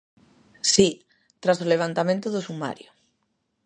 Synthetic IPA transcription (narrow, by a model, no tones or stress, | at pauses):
si | t̪ɾasoleβ̞ant̪amẽnt̪ʊðʊsuma̰ɾjo